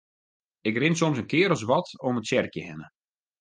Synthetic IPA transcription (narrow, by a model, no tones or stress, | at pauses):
ɪkrɪnsomsənkɪəɾɔs̬ʋɔtomətsɛrkjəhɛnə